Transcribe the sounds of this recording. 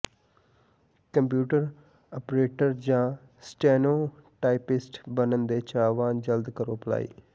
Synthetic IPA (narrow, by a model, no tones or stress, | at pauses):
kəmpjuːʈəɾ | ɔpɾeːʈəɾd͡ʒãː | sʈɛːnoːʈaːɪpɪsʈbənənd̪eːt͡ʃaːʋãːnd͡ʒəld̪kəɾoːpəla̰ːḭː